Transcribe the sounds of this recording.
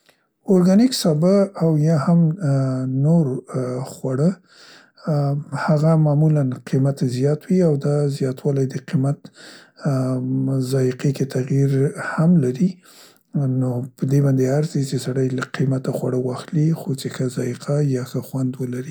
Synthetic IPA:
oɾɡaniksɑbəawjɑham | noɾxwaɽə | haɣamɑmulanqʰimat̪zjɑt̪wiawd̪ɑzjɑt̪wɑlajd̪əqimat̪ | zɑjiqeket̪aɣjiɾhamlaɾi | nopəd̪ebɑnd̪eaɾsit͡ʃesaɽajlaqimat̪axwaɽəwɑxlixot͡ʃexazɑjiqʰajɑxəxwand̪wəlaɾi

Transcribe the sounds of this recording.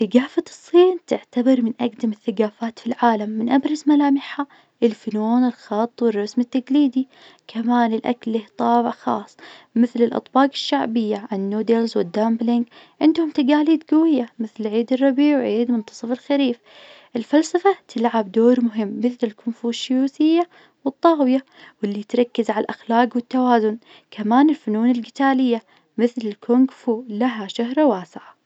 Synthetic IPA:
θɪɡaːfaɨsˤːiːnt̪ɪʕt̪abɑɾˤmɪnʔaɡd̪amɪθːaɡaːfaːt̪filʕaːlamːɪnʔabɾˤɑzmalaːmɪħa | ʔɪlfʊnuːnɪlxɑt̪ˤːwɪrˤːɑsmɪt̪ːaɡliːd̪i | kʰamaːnɪlʔa̰klːiːht̪ˤɑːbɪʕxɑːsˤmɪθlɪlʔɑ̰t̪ˤbɑːqɪ̥ʃːaʕbɪjːaʕannːuːd̪elzwɪd̪ːamblɪŋɡ | ʕɪnd̪hʊmt̪aɡaːliːd̪ɡawɪjːamɪθlʕiːd̪ɪrˤːɑbiːʕwʕiːd̪mʊnt̪ɑ̥sˤɨfɪlxaɾiːf | ʔɪlfalsɑfat̪ʰɪlʕabd̪oːɾmʊɦɪmːɪθlɪlkʊnfuːʃːʊjuːθɪjːa | wɨt̪ˤːɑːwɪja | wɪlːijt̪ɾˤɑkːazʕaalʔaxlaːqwɪt̪ːawaːzʊn | kʰamaːnɪlfʊnuːnɪlɡɪt̪aːlɪjːa | mɪθlɪlkʰʊŋɡfulaɦaʃaɦɾˤwaːsɪʕa

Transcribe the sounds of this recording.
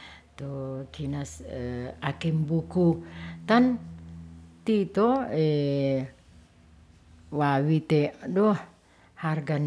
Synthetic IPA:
t̪okinasəakɛmbukut̪an | t̪it̪oe | wawit̪edɔh | harɡan

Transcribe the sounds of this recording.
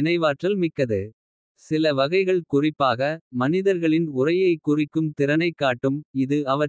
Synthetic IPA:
ɪnɐɪʋaːʈrɐlmɪkːɐðɯ | sɪlɐʋɐɣɐɪɣɐɭkʊrɪpːaːɣɐmɐnɪðɐɾɣɐɭɪnʊrɐjɐɪkːʊrɪkːɯmt̪ɪɾɐnɐɪkːaːʈːɯmɪðɯɐʋɐ

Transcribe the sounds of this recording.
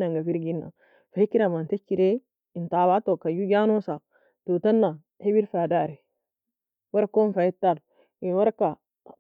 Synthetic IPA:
naŋɡafiɾɡinːa̰ | fahikːiɾamantet͡ʃːiɾe | intaβatokajuɡanusa | tutanːa | hibiɾfadaːɾe | waɾkonfajitːal | inwaɾka

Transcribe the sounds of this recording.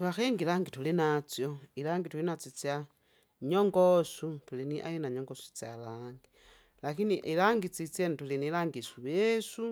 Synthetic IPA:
tuaxeːŋɡilaːŋɡitulinat͡sjoilaːŋɡitulinat͡sit͡sja | ɲoŋɡosutuliniʔa̰jinaɲoŋɡosu̥t͡sa̰laːŋɡi | lakiniʔilaŋɡit͡sit͡sentulinilaŋɡisuβesu

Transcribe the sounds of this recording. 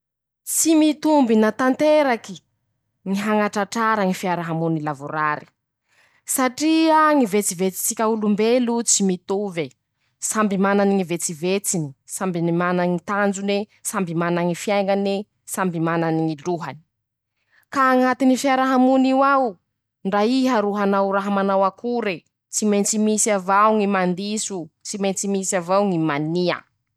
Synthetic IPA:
t͡simit̪umbinat̪ant̪eɾaki | ŋiɦaŋaʈ͡ʂaʈ͡ʂaɾaŋifiaɾaɦamunilavuɾaɾi̥ | saʈ͡ʂiaŋivet͡sivet͡si̥t͡sikʲaulumbelut͡simit̪uve | sambimananiŋivet͡sivet͡sini̥sambinimanaŋit̪and͡zunesambimanaŋifjajŋane | sambimananiŋiluɦani̥ | kaːŋat̪inifiaɾaɦamuniwaw | ɳɖ͡ʐaiɦaɾuɦanawɾaɦamanawakuɾe | t͡simejnt͡simisiavawŋimand̪isut͡siment͡simisavawŋimania̰

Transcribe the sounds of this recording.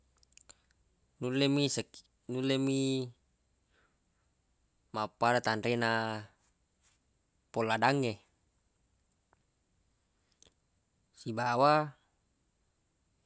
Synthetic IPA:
nulːemisək | nulːemi | mapːaɾat̪anɾɛna | pɔlːadaŋːe | sibawa

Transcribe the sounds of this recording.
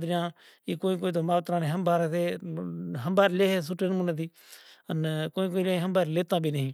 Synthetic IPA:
d̪ɾɪjãː | iːkoːĩːk̬oːiːt̪̬oːmaːʋt̪ɾãːnẽːɦəmbaːɾseː | ɦəmbaːɾleːɦes̬ʊʈːenmũnət̪iː | ənkoːĩːk̬oːiːlãːĩɦəmbaːɾleːt̪ãːbʱiːnəɦĩː

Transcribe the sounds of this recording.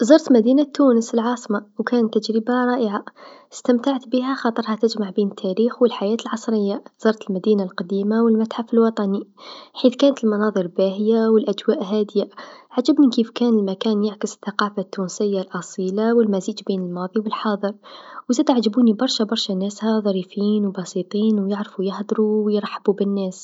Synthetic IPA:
zɑɾˤt̪lmæd̪inat̪ːuːnəsəlʕɑːsˤmawkæːnət̪ːæd͡ʒɾəbaɾˤɑːʔəʕast̪əmt̪aʕt̪biɦæxɑt̪ˤəɾˤhɑt̪æd͡ʒmaʕbiːnət̪ʰːæɾiːxwəlħajæːt̪əlʕɑsˤɾəjːaz̥ɑɾˤt̪əlmæd̪iːnalqɑd̪iːmawəlmæt̪ħafəlwɑt̪ˤɑniħiːθkæːnət̪əlmɑnɑːðˤəɾbæɦəjawəlʔæd͡ʒwæːʔɦæːd̪ɪjaʕad͡ʒəbmɪnkiːfkæːnəlmækæːnjaʕkəsə̥θːɑqɑːfat̪ːuːnsɪjːalʔɑsˤiːlawəlmæziːd͡ʒbiːnəlmɑːðˤiwəlħɑːðˤɨɾwzæːd̪aʕd͡ʒəbuːnibɑɾˤʃabɑɾˤʃænæːshæðˤɑɾiːfiːnwbɑsit̪ˤiːnwjəʕɾfujɪhd̪ˤɾuwjɾˤɑħːabubənːæːs

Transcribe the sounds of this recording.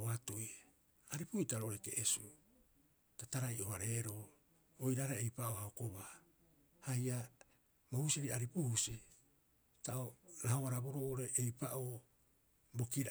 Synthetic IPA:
oatuj | aɾipuitaɾoʔoɾeke̞̰ʔesu | tataɾajʔo̞haɾe̞ɾo̞ː | ojɾaɾaejpaʔohaoko̞βa | haja | mohusieɾiaɾipuhusi | taʔoɾahoβaɾabo̞ɾoːʔoɾeʔejpaʔoː | bo̞kiɾ

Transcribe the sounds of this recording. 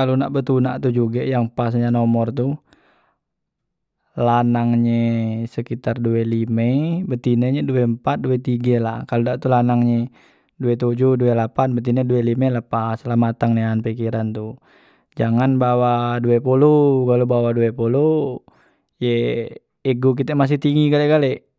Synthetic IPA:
kalunaʔbət̪unaʔt̪ud͡ʒuɡajaŋpas̬ɲanɔmɔrt̪u | lanaŋɲesəkit̪arduelimebət̪ineɲeduɛmpat̪̚duɛt̪iɡala̰hkaludaʔt̪ulanaŋɲe | duɛt̪ud͡ʒuduɛlapanbət̪̬inɛduɛlimɛləpaslamat̪aŋneanpikiɾant̪u | d͡ʒaŋanbawaduɛpuluɡalubawaduɛpulu | jeː | ɡuk̬it̪ɛmas̬iht̪iŋɡiɡaleɡalɛ

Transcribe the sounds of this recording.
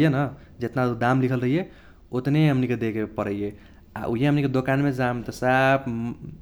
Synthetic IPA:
jenə | d͡ʒet̪naud̪amlikʰəlɾəɦije | ot̪neɦəmniked̪ekepəɾəje | a̰ʔuɦjeɦəmniked̪okanmed͡ʒamt̪əsab

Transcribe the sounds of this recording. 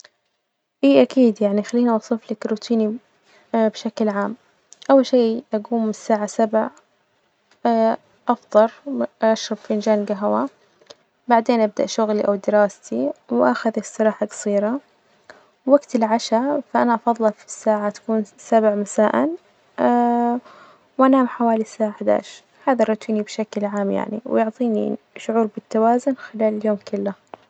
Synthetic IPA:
ʔiːʔakiːd̪jaʕnixalːiːniwɑsˤiːflakɾuːt̪ʰiːni | bʃaklʕaːm | ʔawːalʃeːʔaɡuːmːɪsːaːʕasabʕ | ʔɑfd̪ˤɑɾˤʔaʃɾˤɑbfiʔɪnd͡ʒaːnɡaɦwa | baʕd̪eːnʔab̚d̪aʔʃʊɣliʔawd̪ɪɾɑːst̪iwʔaxaðsˤːɨɾˤɑːħaɡɑ̥sˤiːɾˤa | wwaɡt̪ɪlʕaʃafaʔanaʔɑfɑðˤːɑfi̥sːaːʕat̪ḁkuːnsabʕmasaːʔanː | wʔanaːmħawaːlisaːʕaħad̪a̰ːʃ | haːðaɾˤɑt̪iːnibʃaklʕaːmja̰ʕnḭwjʊʕt̪ˤiːnḭ | ʃʊʕuːɾbɪt̪ːawaːzʊnxɪlaːlɪljoːmkɪlːa

